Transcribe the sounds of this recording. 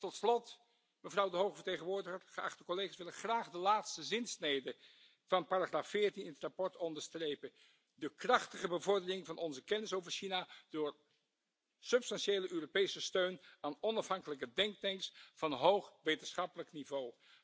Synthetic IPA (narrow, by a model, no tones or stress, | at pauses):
tɔtslɔt | məvrʌwdəɦowχəvəɹtejχənʋʊːɹdəχərχəɑχtəkɔlejχaːsʋɪlənχraːχdəlaːtstəzɪnsnejdə | v̥ɑnpaːraχraːfɪːɹtinɪnətrapɔɹtɔndəɹstrejpən | dəkrɑχtəχəbəvɔɹdərɪŋvɑnɔnzəkɛnɪsowvəɹʃinad̥ʊːɹ | sɵpstɑnʃejləʔøːropejsəstøɥnaːnɔnɑfɦɑŋkələkədɛŋk̚tɛŋksfɑnɦowχʋejtənsχɑpələknivow